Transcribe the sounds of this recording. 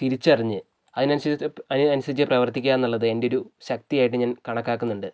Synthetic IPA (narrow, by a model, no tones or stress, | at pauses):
t̪iɾit͡ɕːɨɐriɲːɨ | ɐðinɐnɐɐnuɕɐðit͡ɕ̬ʲkːɐprɐʋɐrt̪ikʲːaːnːuɭːɐðɨe̞ndeo̞ɾuɕɐk̚t̪ijaːjiʈːɨɲaːnkɐɳɐkːaːkːunːuɳɖɨ